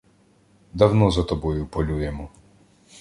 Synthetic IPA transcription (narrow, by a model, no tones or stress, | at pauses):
d̪ɐwnɔzɐt̪ɔbɔjʊpɔlʲujɛmɔ